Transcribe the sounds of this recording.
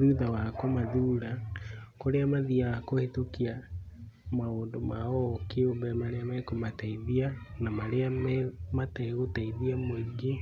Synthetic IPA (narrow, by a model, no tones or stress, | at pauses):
ðuðawakomaðuɾakoɾeamaðiakohetokia | maoːndomaɔkeombɛmaɾeamakomataiðianamaɾeammataiɣotaiðiamweɡe